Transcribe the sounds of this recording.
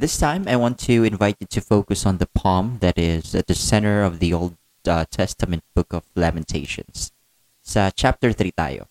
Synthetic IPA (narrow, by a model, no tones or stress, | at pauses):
ðɪstʰãɪ̃maɪwɑ̃ntʰɨɨ̃ɱvaɪt̚ɨtʰɨfoʊkɨsn̩ðəpʰɑ̃mðɨɾɪzɨt̪̚ðɨsɛ̃ɾ̃ə˞ʌvðioʊlˠd̚ | tʰɛstəmɨ̃nt̚b̥ʊkʌv̥læmɨ̃ntʰeɪʃɨ̰̃ns | sʌt͡ʃʰæp̚tə˞θɹita̰ɪo̰